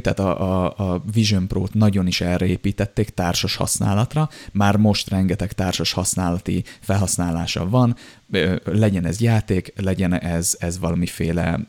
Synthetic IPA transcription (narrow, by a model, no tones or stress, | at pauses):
t̪a̰ːt̪ɒʔːviʒompro̰ːt̪nɒɟo̞niʃɛlrɛeːpiːt̪ɛt̪ːeːkt̪aːrʃoʃhɒ̰sna̰ːlɒt̪rɒmaːrmo̞ʃt̪rɛŋɡɛt̪ɛkt̪aːrʃoʃhɒsnaːlɒt̪ḭfɛlɦɒsnaːlaːʃɒ̰vɒn | ølɛɟɛnɛ̰zjaːt̪eːklɛɟɛnɛzɛzvɒlɒmifeːlɛ̰